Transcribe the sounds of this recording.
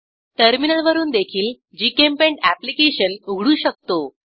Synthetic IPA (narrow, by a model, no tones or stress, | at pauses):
ʈəɾminəlʋəɾuːnd̪ekʰiːl | d͡ʑikempẽɳʈæplikeɕənuɡɽuːɕək̚t̪o